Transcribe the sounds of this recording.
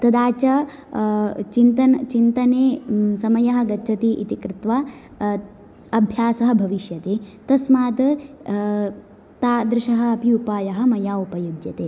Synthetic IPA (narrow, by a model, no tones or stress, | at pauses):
t̪ɐd̪aːt͡ʃɐ | t͡ʃint̪ɐnt͡ʃint̪ɐneːsɐmɐjɐɦɐ̆ɡɐːt͡ʃʰɐt̪iːʔḭt̪ikɾɪt̪ʋaː | ɐbʱjaːsɐɦɐ̆bʱɐʋiʃjɐt̪eːt̪ɐsmaːt̪ɐ | t̪aːd̪ɾɪʃɐɦɐ̆ɐpiupaːjɐɦɐ̆mɐjaːupɐjudjɐt̪eː